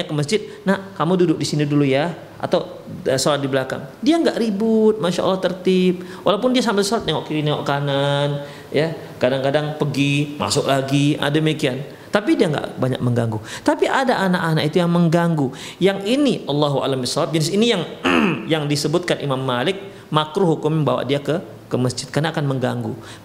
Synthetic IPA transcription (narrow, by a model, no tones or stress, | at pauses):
akəməs̬d͡ʒɪt̪̚nahkamududʊk̚disiniduluja | ʔa̰t̪aw | solat̪̚dibəlaka̰ŋdiaŋɡaʔɾibʊt̪̚maʃa̰ʔɑ̰lːɑht̪ərt̪ɪp̚ | wʔalawpʊndias̬ambɪlsɔlat̪jaŋoʔkiɾinaoʔkanan | ja | kadaŋkadaŋpəɡima̰sʊk̚laɡiʔa̰dəmikian | t̪ap̬idiaŋɡa̰ʔbaɲa̰k̚məŋɡaŋɡut̪apiʔadaʔanaʔanaʔit̪ujaŋməŋɡaŋɡu | jaŋiniʔɑlːɑɦua̰lambisalap̚d͡ʒənɪsinijaŋjaŋdisəbʊt̪̚kanʔimamːalɪk̚ | makɾuɦukumimba̰wa̰ʔdiakə | kəməsd͡ʒɪt̪̚karnaːkanməŋɡa̰ŋɡu